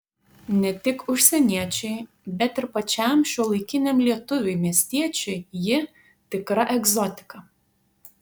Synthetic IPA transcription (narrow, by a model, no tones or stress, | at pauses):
nʲɛt̪ʲɪkʊʃʲsʲɛnʲiɛt͡ʃʲɛɪ | bʲɛt̪ɪɾpɐt͡ʃʲɛˑmʃʲuɔlˠɐɪkʲɪnʲɛmlʲiɛt̪ʊʋʲʊɪmʲiɛsʲt̪ʲiɛt͡ʃʲɛɪjɪ | t̪ʲɪkɾɐʔɛɡzɔt̪ʲɪ̥kɐ